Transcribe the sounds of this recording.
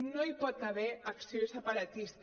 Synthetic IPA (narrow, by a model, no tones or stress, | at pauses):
noipɔt̪aβɛaksiosapaɾat̪ist̪